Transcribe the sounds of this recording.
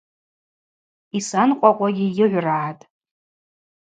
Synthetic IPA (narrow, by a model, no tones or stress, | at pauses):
isanqʷʼaqʷʼaɡʲɪjɪʕʷraʕatʼ